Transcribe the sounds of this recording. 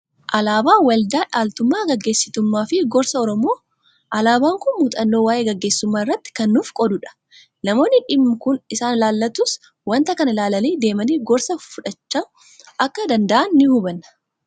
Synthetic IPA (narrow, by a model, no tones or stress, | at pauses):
ʔɐlaːbaːwɐld̪aːᶑaːlt̪ʊmːaːɡɐɡːe̞ːsːɪt̪ʊmːaːfɪɡɔɾsɐɔɾɔmo̞ː | ʔɐlaːbaːŋkʊnmuːt̪ʼɐnːo̞ːwaːʔe̞ːɡɐɡːe̞ːsːʊmːaːɪrːɐt̪ːɪ̥kɐnːuːfkʼɔd̪ʊᶑɐ̥ | nɐmo̞ːnːɪᶑɪmːʊkʊnɪsaːnlaːlːɐt̪ʊs | wɐnt̪ɐkɐnɐlaːlɐleːd̪e̞ːmɐniːɡɔɾsɐfʊᶑɐt͡ʃːaːn | ʔɐkːɐd̪ɐnd̪ɐʔɐnːɪhʊbɐnːɐ